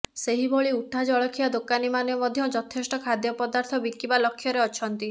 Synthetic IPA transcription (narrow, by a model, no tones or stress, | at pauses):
seɦibʱɔɭiuʈʰad͡ʒɔɭɔkʰiad̪okanimanjɔmɔd̪ʱjɔd͡ʒɔt̪ʰesʈɔkʰad̪jɔpɔd̪aɾt̪ʰɔbikːibalɔkʰːjɔɾeɔt͡ʃʰɔnt̪i